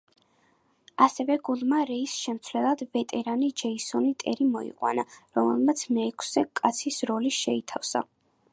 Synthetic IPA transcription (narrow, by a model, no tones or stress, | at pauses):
asɛvɛɡulˠmaɾɛisʃɛmt̪sʰlɛlˠad̪vɛt̪ʼɛɾanid͡ʒɛisɔnit̪ʼɛɾimɔḭqʼwa̰naɾɔmɛ̰lˠmat̪sʰmɛːkʰsɛkʼat̪sʰisɾɔliʃɛit̪ʰafsa̰